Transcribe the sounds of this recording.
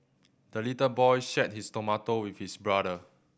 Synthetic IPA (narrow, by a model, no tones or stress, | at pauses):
d̥əlitəbɔjʃɛt̚histomatowifhisbɹadə